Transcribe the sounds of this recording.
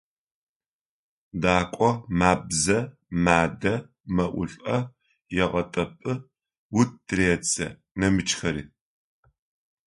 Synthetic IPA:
daːkʷʼɔmaːbzɐ | maːdɐ | mɐʔʷʊ̰ɬʼɐ | jɛʁɐtʼɐpʼɨ | wʊt̚dreːt͡sʰʼɐ̰ | nɐmɨt͡ʃʼxɐɾḭː

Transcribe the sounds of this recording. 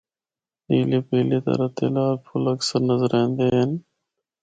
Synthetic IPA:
iːleːpəːleːt̪ə̰ɾət̪ḛːlaːlpʰʊləksəɾnəzəɾẽːnd̪eːɦən

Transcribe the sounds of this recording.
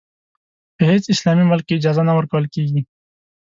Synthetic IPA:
beɦeːsɪslaːmimʊlkːiːd͡ʒaːzanawəɾkəwəlkiːɡi

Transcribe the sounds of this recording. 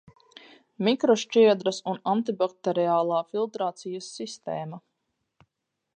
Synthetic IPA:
mikɾɔʃt͡ʃiɛd̪ɾɐsunant̪ibak̚t̪eɾiaːlˠaːfilˠt̪ɾaːt̪sijɐsːist̪ḛːmɐ

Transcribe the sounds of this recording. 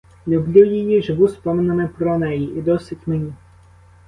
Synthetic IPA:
lʲublʲuwjejiʒeʋuspɔmenemɪpɾɔnɛjiʔid̪ɔsɪtʲmenʲi

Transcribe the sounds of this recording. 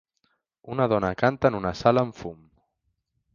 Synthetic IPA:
unəðɔnəkant̪ənunasaləːɱfum

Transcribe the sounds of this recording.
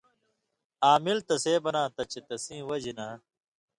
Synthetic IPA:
aːmilt̪ɐseːbɐnãːt̪ɐt͡ɕet̪ɐsĩːwɐd͡ʑina

